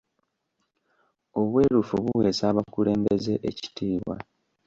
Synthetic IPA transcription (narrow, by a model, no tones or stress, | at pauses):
o̞βwe̞ːɾufuβuwe̞ːsaːβakule̞ːmbe̞ze̞ʔeci̥tiːβwa̰